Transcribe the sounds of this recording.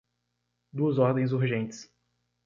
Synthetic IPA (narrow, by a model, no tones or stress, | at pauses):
d̪uɐzɔɾd̪ẽj̃zuɾʒẽnt͡ʃɪ̥s